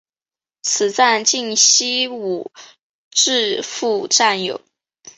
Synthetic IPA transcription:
t͡sʰɹ̩˨˩t͡sa˥˧nt͡ɕi˥˩ŋɕi˥u˨˩ | ʈ͡ʂɻ̩˥˧fu˥˧ʈ͡ʂa˥˩njo̰˨˩˦ʊ

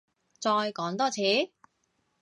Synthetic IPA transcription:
t͡sɔː˧jkɔː˨˥ŋt̪ɔː˥t͡sʰiː˨˥

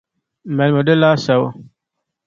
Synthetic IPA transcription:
mɛ˨lmo˨də˦la˦sa˨wo̰˦

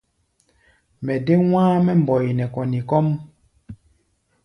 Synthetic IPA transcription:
mɛ˨de˦w̃ãː˦mɛ˦m̩˨bɔ˨ji˨nɛ˨kɔ˨ni˨kɔ˦m

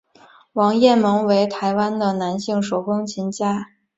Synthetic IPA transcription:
wɑ˧˥ŋjɛ˥˩mɤ˧˥ŋwe˧˥ɪt̪ʰa˧˥ɪwa˥nd̪ə˨na˧˥nɕi˥˩ŋʂo˨˩ʊkʊ˥ŋt͡ɕʰi˧˥nt͡ɕja˥

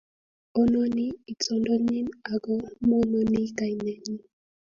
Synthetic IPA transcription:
ɔ˦nɔ˦ni˦i˨t͡sɔ˨ndɔ˦ɲi˦na˨ɡɔ˦mɔ˦nɔ˦ni˦ka˨i˨nɛ˨ɲi˦

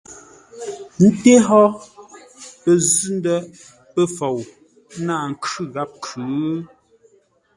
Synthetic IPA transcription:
n̩˦te˦ɦɔ˦ | pə˦˨zʉ˦ndə˦ | pə˦fo˨w | na˦˨ŋ̩˨kʉ˦ɣa˦p̚kʰʉ˨˦

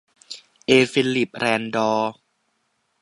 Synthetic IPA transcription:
ʔeː˧fi˧lli˨˩p̚ɾɛː˧ndɔː˧

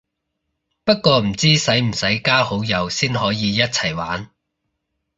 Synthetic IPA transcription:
pɐ˥t̚kʷɔː˧m̩˨˩t͡siː˥sɐ˨˥jm̩˨˩sɐ˨˥jkaː˥ho˨˥wjɐ˨˧wsiː˥nɦɔː˨˥jiː˨˧jɐ˥t̚t͡sʰɐ˨˩jwaː˨˥n

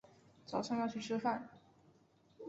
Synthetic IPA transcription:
t͡sɑ˨˩ʊʂʰɑ˥˧ŋjɑ˥˧t͡ɕʰy˥˩ʈ͡ʂʰɻ̩˥fa˥˩n

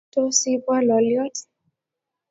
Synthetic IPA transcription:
tɔ˦si˦pwa˦lɔ˨ljɔ˦tɛ̥

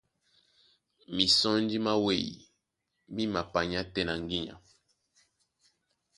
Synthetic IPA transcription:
mi˨sɔ˦n˦d͡ʒi˦ma˦we˦˨jḭ˨ | mi˦ma˨pa˨ɲa˦tɛ˦na˨ŋɡi˦ɲa̰˨

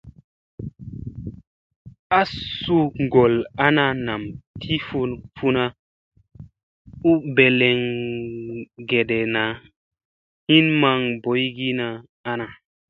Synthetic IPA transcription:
a˦su˦ŋɡo˨la˦na˧na˨mtʰi˦fu˦nfu˦na˦ | u˦be˨le˨ŋ | ɡe˨ɗe˨na˨ | hi˦nma˦ŋbo˨˦jɡi˦na˨ | a˦na˨

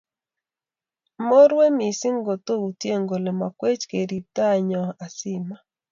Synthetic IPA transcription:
mo˦ɾwe˦mi˨si˦ŋɡo˨t̪o˦u˨tje˦˨ŋɡo˨le˨ma˨kwe˦t͡ʃke˨ɾi˨t̪a˦ɲɔ˨a˨sɪ˦ma˨

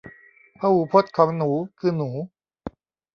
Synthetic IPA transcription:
pʰaː˧huː˨˩pʰo˦˥t̪̚kʰɔː˩˦ŋnuː˩˦kʰɯː˧nuː˩˦

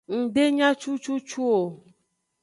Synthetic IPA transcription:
ŋ̩˨ɖe˦ɲã˦t͡ʃu˦t͡ʃu˦t͡ʃu˦o˨

